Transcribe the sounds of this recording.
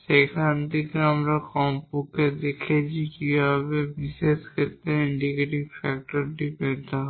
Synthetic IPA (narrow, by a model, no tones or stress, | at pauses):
ʃejkʰant̪ikeamɾakɔmpuked̪ekʰet͡ɕʰikibʱɔbebiʃeʃkʰet̪ːɾeiɳɖikeʈibfɛk̚ʈoɾʈipeɾt̪eɦɔ